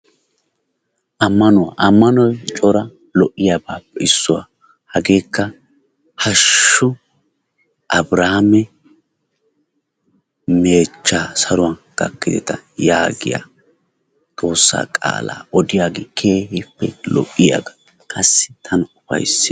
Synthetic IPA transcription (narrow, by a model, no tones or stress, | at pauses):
ʔɐmːɐnʊwa̰ʔɐmːɐnɔjt͡ʃʼɔɾɐ | lɔʔːɪjaːbaːpːɛɪsːʊwa̰ | hɐɡe̞ːkːɐ | hɐʃːʊ | ʔɐbɾaːmɛ | meːt͡ʃːaːsɐɾʊwanɡ̥ɐ̰kːɪd̪ɛt̪ɐjaːɡɪ̰ja̰ | t̪ʼo̞ːsːa̰ːkʼa̰ːla̰ːʔɔd̪ɪjaːɡɪkʰeːhɪpːɛlɔ̰ʔːɪja̰ɡɐ̥ | kʰʼɐsːɪ̥t̪ʰɐnʊfɐ̰jsːɪ